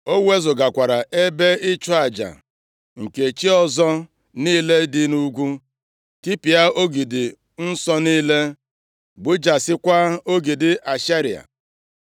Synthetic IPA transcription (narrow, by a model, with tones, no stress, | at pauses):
o˦we˦zʊ˨ɡa˨kʷa˨ɾa˨ʔe˦be˦ɪ˦t͡ʃɔ˦a˨d͡ʒa̰˨ | ŋ̩˨ke˨t͡ʃi˦ɔ˦zɔ˦ | niː˦le˦dɪ˦nu˦ɡʷu˦ | ti˦pi˨a˦o˦ɡi˨dɪ˨ | n̩˦sɔ˦niː˦le˦ | ɡ͡bʊ˦d͡ʒa˨sɪ˦kʷa˦o˦ɡi˨dɪ˨ʔa˨ʃa˦ɾi˨a̰˨